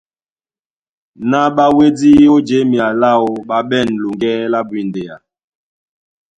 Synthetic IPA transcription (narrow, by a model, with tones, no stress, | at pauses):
na˦ɓa˦we˦di˦o˦d͡ʒe˦mi˨a˨la˦˨o˨ɓa˨ɓɛ˦˨nlu˨ŋɡɛ˦la˦bwi˨nde˨ja˨